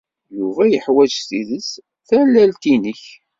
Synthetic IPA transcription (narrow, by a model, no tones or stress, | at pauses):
juvæjəħwæd͡ʒθiðəs | θælːælt̪inəç